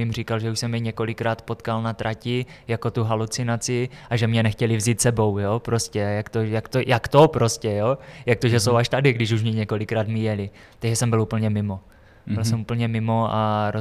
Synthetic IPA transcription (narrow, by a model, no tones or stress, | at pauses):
ɪmriːkalʒɛuʃsɛmjɛɲɛko̞lɪkɾaːt̪po̞t̪kalnat̪ɾʔacɪjako̞t̪uɦalut͡sɪnat͡sɪʔaʒɛmɲɛnɛxcɛlɪvziːt̪sɛbo̞wjopɾoscɛjakt̪ojakt̪ojakt̪opɾoscɛjojak̚t̪oʒɛsowaʃt̪adɪɡdɪʃuʃmɲɪɲɛko̞lɪkɾaːd̪mɪjɛlɪ | t̪aɡʒɛsɛmbɪluːpl̩ɲɛmɪmo | bɪlsɛmuːp̩ɲɛmɪmo̞aɾo